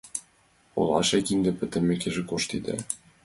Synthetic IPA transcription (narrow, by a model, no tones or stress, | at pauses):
ṵlˠɑ̰ʃekiŋd̪ɘ̆pɘ̆t̪ɘ̆mekeʒĕkoʃt̪id̪ɘ̰̆